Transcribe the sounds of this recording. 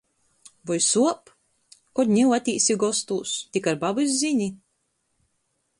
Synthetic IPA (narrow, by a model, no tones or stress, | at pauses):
vɔjsuɔp | kɔɾnʲiwat̪ʲiːsiɡɔst̪uːst̪ikaɾbabɨz̬ziɲʲi